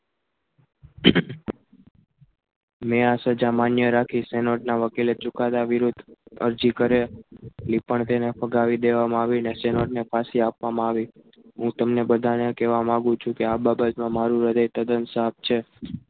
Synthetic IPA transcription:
measəd͡ʒamanjəɾakʰisenoʈnaʋəkilet͡ʃukat̪aʋiɾud̪ʱə̰ɾd͡ʒikəɾelipəɳt̪enefʰəɡaʋid̪eʋamãaʋinesenoʈnefʰasiapʋamãaʋi | ɦũt̪əmnebəd̪ʱanekeʋamãɡũt͡ʃʰũkeababət̪mãmaɾũɾəd̪əjt̪əd̪ənsap̚t͡ʃʰe

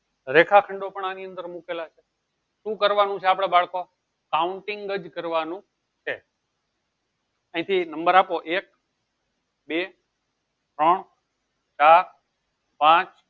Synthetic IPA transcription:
ɾekʰakʰəɳɖopəɳaniənd̪əɾmukelat͡ʃʰe | ʃũkəɾʋanũt͡ʃʰeapɽ̃ebaɭko | kauɳʈiŋɡəd͡ʒkəɾʋanũ | t͡ʃʰe | ãĩt̪ʰinəmbəɾapoʔek̚ | be | t̪ɾəɳ | t͡ʃaɾ | pãt͡ʃ

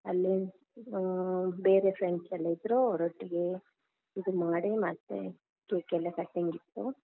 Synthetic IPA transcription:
ɐlːi | beːɾefɾeɳɖsɛlːɐid̪ɾoɔɾoʈːiɡe | id̪umaːɽemɐːt̪ːḛ | keːkɛlːɐkɐʈːeŋɡit̪ːu

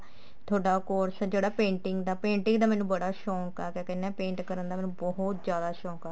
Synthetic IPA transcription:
t̪ʰoːɖaːkoːɾsd͡ʒeːɽaːpẽːɳʈɪŋɡd̪aːpẽːɳʈɪ̃ŋɡd̪aːmɛːnũːbəɽaːʃɔ̃ːŋkaːkɛ̃ːkɛnːɛ̃ːpẽːɳʈkəɾənd̪aːmɛ̃ːnũːbɔɦʊt̪zjaːd̪aːʃɔ̃ːkaː

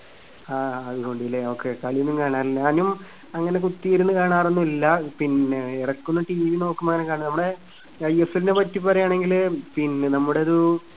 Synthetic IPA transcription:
aːɐðuko̞ːɳɖijɐlːeoːkːekɐɭijunːumkaːɳaːɾɲaːnum | ɐŋːɐne̞kut̪ːijɐɾunːɨkaːɳaːrenːuilːɐpinːeirɐkːunːɐʈiːʋiʋino̞ːkːumɐŋːɐnekaːɳɨnɐmːuɽe̞ | ɐjefɐlinepɐtːip̬ːɐrɐjaːɳe̞ŋɡilpinːenɐmːuɽeɐðu

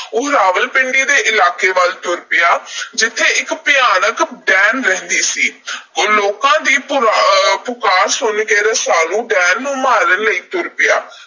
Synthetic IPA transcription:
ʊɦɾaːʋəlpɪɳɖiːd̪eːʔɪlaːkeːʋəlt̪ʊɾpɪjaːd͡ʒɪt̪ʰːeːʔɪkpɪjaːnəkɖɛːnɾɛ̃ːnd̪iːsiːoloːkãːd̪iːpʊpʊkaːɾsʊnɡeːɾəsaːlũːɖɛːnːũːmaːɾənləiːt̪ʊɾpɪjaː

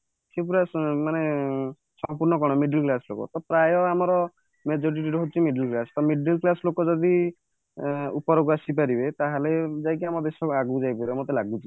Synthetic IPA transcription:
sepuɾamane | sɔmpuɾnɔkɔɽ̃ɔmiɖilklaslo̰kɔ̰t̪ɔpɾajɔamɔɾɔ | med͡ʒɔɾiʈiɾɔɦot͡ʃʰimiɖilklasɔ̥t̪ɔmiɖilklasɔlokɔd͡ʒɔd̪i | ṵpɔɾɔɡuasip̬aɾibet̪aɦaled͡ʒajkiamɔbesɔaɡud͡ʒajpɔɾemot̪elaɡut͡ʃʰi

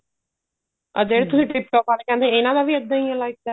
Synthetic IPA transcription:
ə̰d̪eːɽt̪ʊsĩːʈɪp̚ʈɔːpaːlekɛ̃nd̪eɪnãːd̪aːʋiːəd̪ːãĩə̃laːɪk̚d̪ɛː

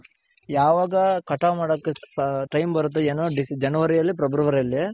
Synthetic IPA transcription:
jaːʋaːɡɐkɐʈamaːɽokːeʈɐjmbɐɾut̪̬ːeeːnoɖisd͡ʒɐnɐʋɐɾijɐlːipɾɐbuɾɐʋɐɾɐlːi

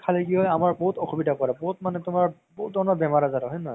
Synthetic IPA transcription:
kʰaliɡiɦɔjamaɹboɦutɔxubidakɔɹaboɦut̚manɛtʊmaɹ | boɦut̚dɔɹnɔbɛmaɹazatɔɦɔjnɔj

